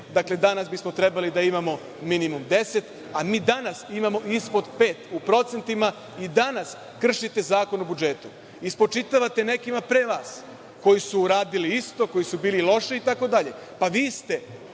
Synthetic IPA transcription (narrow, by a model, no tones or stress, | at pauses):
d̪akle̞d̪anasbismo̞t̪ɾe̞balid̪aimamo̞ | minimumd̪e̞se̞t̪ | amiːd̪anasimamo̞ʔispo̞d̪pe̞ːt̪upɾo̞t̪se̞nt̪ima | id̪anas | kr̩ʃit̪e̞zaːko̞nobud͡ʒe̞ːt̪u | ispot͡ʃit̪aʋat̪e̞ne̞kimapɾeːʋaːs | ko̞jisuːɾaːd̪iliist̪o̞ko̞jisubiːlilˠo̞ʃiit̪ako̞d̪aʎe̞ | paʋiːst̪e̞